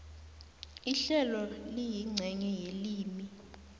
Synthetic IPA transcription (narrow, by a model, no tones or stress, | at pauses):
iɬɛlɔlijiŋ͡ǀʱɛɲɛjeliːmi